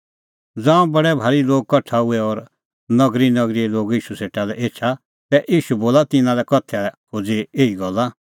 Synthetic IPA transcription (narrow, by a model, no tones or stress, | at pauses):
d͡zãːũbɐɽɛbʱaːɾiloːɡ̚kɐʈʰaɦʊɛɔɾ | nɐɡɾinɐɡɾiloːɡiːʃuseːʈalɛʔeːt͡ʃʰa | t̪ɛʔiːʃuboːlat̪ɪnãlɛkɔt̪ʰɛkʰod͡zieːiɡɔlːa